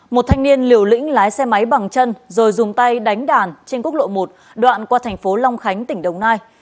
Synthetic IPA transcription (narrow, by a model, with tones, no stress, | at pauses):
mo˨˩t̚t̪ʰa˧jŋ̟ni˧ənli˨˩əwlḭ̈˧˥ŋ̟laː˨˦jsɛ˧ma˨˦jɓa˨˩ŋt͡ɕə˧nzo˨˩jzʊ˨˩ŋ͡mt̪a˧jɗa˨˦jŋ̟ɗaː˨˩nt͡ɕe˧nku˦˥ək̚lo̰˧˨mo˨˩t̚ | ɗwa̰ː˧˨nkwaː˧t̪ʰɛ˨˩jŋ̟fo˨˦la˧wŋ͡mxa˨˦jŋ̟t̪ï˧˩ŋ̟ɗə˨˩wŋ͡mnaː˧j